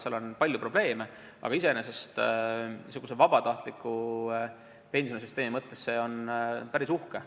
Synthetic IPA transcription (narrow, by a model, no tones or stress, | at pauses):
seɑlo̞npɑlʲjupro̞b̥le̞ːme̞ | ʔɑ̰ɡɑis̬enese̞st̪ | suɡ̥usevɑb̥ɑt̪ɑht̪likːˑu | pe̞nʲsones̬yst̪e̞ːmimɤt̪ːe̞sse̞o̞npæɾisuhke